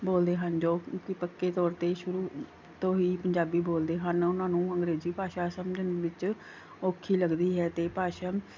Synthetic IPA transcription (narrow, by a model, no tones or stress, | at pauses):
boːld̪eːɦənd͡ʒoːkɪpəkːeːt̪ɔːɾt̪eːʃʊɾuː | t̪õːɦiːpəɲd͡ʒaːbiːboːld̪eːɦənʊnãːnũːəŋɡɾeːziːpaːʃaːsəmd͡ʒənʋɪt͡ʃ | oːkʰiːləɡd̪iːɦɛːt̪eːpaːʃaː